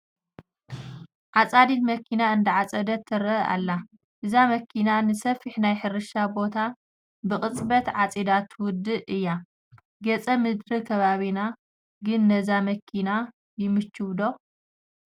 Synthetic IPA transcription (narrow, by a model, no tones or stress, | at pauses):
ʕat͡sʼad̪it̪mɐkʰːinaɨnd̪ɐʕat͡sʼɐd̪ɐt̪ʰːɐɾɐa̰lːa | ʔɨzamɐkʰinanɨsɐfiħnajħɨɾɨʃabo̞t̪ʰa | bɨχʼɨt͡sʼbɐt̪ʕat͡sʼid̪at̪ʰwʊd̪ːɨɨjːa | ɡɐt͡sʼɐmɨd̪ɾɨkʰɐβaβina | ɡɨnːɐzamɐkʰina | jɪmɨt͡ʃːɨβd̪o̞